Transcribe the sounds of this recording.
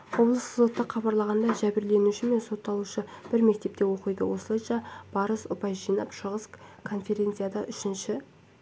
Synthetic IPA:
wo̞blˠəszo̞t̪ːəχʰɑbɑɾlˠɑʁɑnd̪ɑʒæbɪɾle̞nuʃɪme̞nso̞t̪ːɑlˠuʃəb̥ɪɾme̞k̚t̪e̞p̚t̪e̞wo̞qəjd̪ə̰wo̞səlˠɑjʃɑb̥ɑɾəsʊpɑjʒijnɑ̰pʃəʁəskʰo̞nfe̞ɾʲe̞nt̪sɨjad̪ɑʔʏʃɪnʃɪ

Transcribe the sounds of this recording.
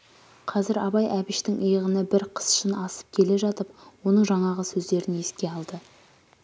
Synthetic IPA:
qʰɑzɪɾɑbɑjʔæbɪʃt̪ɪŋʔjəʁənəbɪɾqʰə̥sʃənɑsə̥p̚kʲʰe̞le̞ʒɑt̪əp̚wo̞nəɴʒɑɴɑʁəsɵzd̪e̞ɾɪne̞skʲe̞ɑlˠd̪ə

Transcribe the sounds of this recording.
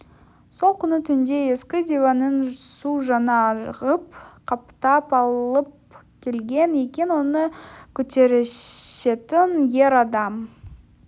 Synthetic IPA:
so̞lˠkʲʰʏnət̪ʰʏnd̪e̞je̞skʲɪd̪ʲevanənsuʒɑnɑʁəpqʰɑpt̪ɑpɑlˠəp̚ | kʲʰe̞lɡʲe̞nekʲe̞nwo̞nəkʲʰɵt̪e̞ɾɪʃe̞t̪ɪnje̞ɾɑd̪ɑm

